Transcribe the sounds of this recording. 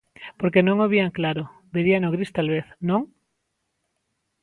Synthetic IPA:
poɾkenõŋoβ̞iaŋklaɾo | beɾianoɣɾist̪alβeθnõŋ

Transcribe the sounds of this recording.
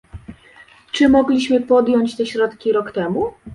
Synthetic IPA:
t͡ʂɘmɔɡlʲiɕmɘpɔd̪jɔɲt͡ɕt̪ɛɕɾɔt̪kʲiɾɔkt̪ɛmu

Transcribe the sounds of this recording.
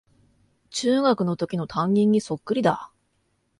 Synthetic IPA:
t͡ɕɨːɡakɯ̟no̞t̪o̞kʲino̞t̪ʰãŋɡʲĩɲ̟ːiso̞kːɯ̟ɾʲid̪a

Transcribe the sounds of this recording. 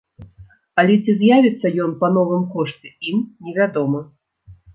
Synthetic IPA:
ɐlʲɛt͡sʲizjavʲɛt̪sːɐjɔnpɐnɔvɨmkɔʂt͡sʲɛimnʲɛvʲad̪ɔmɐ

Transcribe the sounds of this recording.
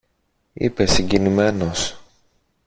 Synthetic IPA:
ḭpe̞siɲɟinime̞no̞s

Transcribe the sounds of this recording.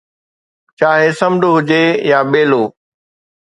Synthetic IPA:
t͡ɕaːɦesɐmɖoɦʊd͡ʑejaːɓeːloː

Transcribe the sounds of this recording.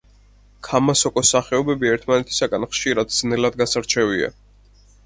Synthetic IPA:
kʰamasɔkʼɔsaχɛɔbɛbiɛɾt̪ʰmanɛt̪ʰi̥saɡanχʃiɾad̪z̥nɛlad̪ɡasaɾt͡ʃʰɛvia̰

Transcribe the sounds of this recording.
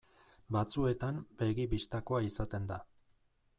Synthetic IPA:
bat͡sue̞t̪ambe̞ɣipist̪ako̞aisat̪e̞nd̪a

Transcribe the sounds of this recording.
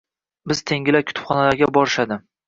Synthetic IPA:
bɪz̥t̪ʰe̞ŋʲɪlakʰʊ̥t̪ʰʊ̥pχɒnalaɾɡʲabɒɾɪʃad̪ɪ

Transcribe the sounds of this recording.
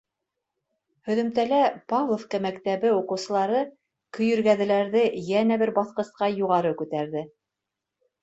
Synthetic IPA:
hɵ̆ðɵ̆mt̪ælæpavlˠofkæmækt̪æβɘuqɤ̆wsɤ̆lˠɑɾɤ | kɵ̆jɵ̆ɾɡæðɘ̆læɾðɘjænæβɘɾbɑθqɤ̆sqɑjuʁɑɾɤkʉt̪æɾðɘ

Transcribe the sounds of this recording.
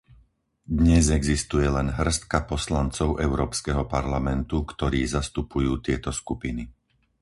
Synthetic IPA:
d̪ɲɛzɛɡzist̪ujɛlɛnɦr̩st̪̚kapɔslant͡sɔʊʔɛʊɾɔːpskɛɦɔpaɾlamɛnt̪ukt̪ɔɾiːzast̪upujuːt̪ɪɛt̪ɔskupini

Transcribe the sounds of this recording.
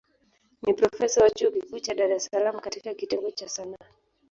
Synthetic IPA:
nipɾɔfɛsawat͡ʃukikuːt͡ʃaɗaɾɛsalam̩ukatikakitɛŋɡɔt͡ʃasana

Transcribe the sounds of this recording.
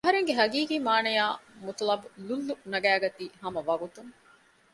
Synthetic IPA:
ɐɦɐɾeŋɡeɦɐɡiːkiːmaːnɐjaːmut̪lɐbululːunɐɡæːɡɐt̪iːhɐmɐʋɐɡut̪uŋ

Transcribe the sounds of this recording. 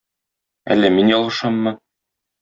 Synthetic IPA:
æ̰lːæminjɒlˠɤ̆ʃɑmːɤ

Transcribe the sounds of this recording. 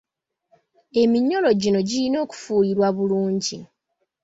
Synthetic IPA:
e̞miɲːo̞lo̞ɟino̞ɟilino̞ːku̥fuːliɾwaβuluːɲɟi

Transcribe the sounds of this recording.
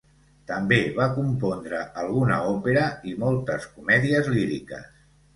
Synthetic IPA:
t̪əmbeβakumpɔnd̪ɾəʔəlˠɣunə̰ɔpeɾəimɔlˠt̪əskumɛðiəzliɾikə̰s

